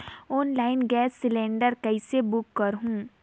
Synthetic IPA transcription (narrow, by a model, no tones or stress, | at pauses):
ɔːnlaːɪnɡɛːsːɪlẽːɳɖəɾkɐɪsebʊkːɐɾɦũ